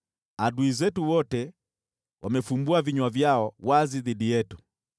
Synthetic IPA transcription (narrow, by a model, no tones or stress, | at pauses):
aɗuizɛtuwɔtɛ | wʔamɛfumbuaviɲwavjaɔwaziðidijɛtu̥